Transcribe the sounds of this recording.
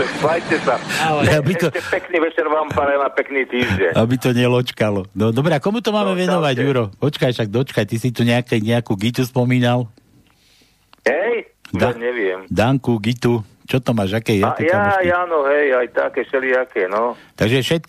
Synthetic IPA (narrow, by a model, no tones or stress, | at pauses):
bajcɛsaabit̪ɔɛppɛkniːʋɛt͡ʃɛɾʋaːmpaɾajnapɛkniːt̪iːʒɟɛɲabit̪ɔɲɛlɔt͡ʃkalɔnɔd̪ɔbɾɛakɔmut̪ɔmaːmɛʋɛnɔʋaɟjuɾɔpɔt͡ʃkajʃaɡ̚d̪ɔt͡ʃkajt̪isit̪uɲɛakɛɲɛakuːɡit̪uspɔmiːnal | ɦɛj | d̪aɲɛʋɪɛmd̪aŋkuɡit̪ut͡ʃɔt̪ɔmaːʒakɛjjaaɛjajaːnɔɦɛjajt̪a̰kɛʃɛliakɛːnɔt̪aɡʒɛfʃɛt̪̚